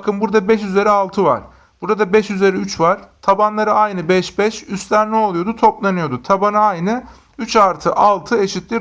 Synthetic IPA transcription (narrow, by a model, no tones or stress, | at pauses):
kʰɯnbuɾd̪abɛʃyze̞ɾɛalˠt̪ʰɯva̰ɾ̥ | b̥uɾad̪abɛʃyze̞ɾɛyt͡ʃvaɾ̥t̪ʰabanlˠaɾɯajnɯbɛʃbɛʃyst̪lʲæɾnɛo̞lˠujod̪ut̪ʰo̞plˠanɯjo̞d̪ut̪ʰabanɯajnɯ | yt͡ʃaɾt̪ʰɯʔalˠt̪ʰɯe̞ʃit̪lʲi